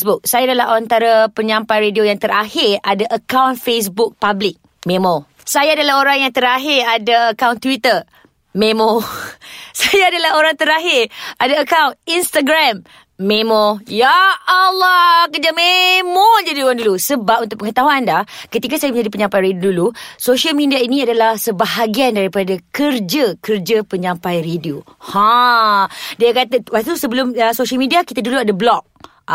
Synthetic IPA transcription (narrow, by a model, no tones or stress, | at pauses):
sbʊk̚sajaːdalaɦaant̪aɾapəɲãmpajɾediojaŋt̪əɾahɪradaʔəkawnfes̬buk̚pablɪk̚ | mẽmɔ | sajaːdalaɦoɾaŋjaŋt̪əɾaɦɪradaəkawnt̪uwit̪ə | mẽmɔ | sajaːdalaɦoɾaŋt̪əɾaɦɪradaəkawninst̪aɡɾamː | emɔjaːlːɔkərd͡ʒamemɔd͡ʒadioɾaŋdulusəbap̚unt̪ʊʔ̚pəŋət̪aɦuandahkət̪ikasajamə̃ɲd͡ʒadipəɲãmpajɾediodulusoʃalmidiainĩadalahsəbaɦaɡiandaɾipadakərd͡ʒəkərd͡ʒəpəɲãmpajredio | hã | diakat̪awak̚t̪usəbəlʊməsoʃalmidiakit̪aduluadablɔk̚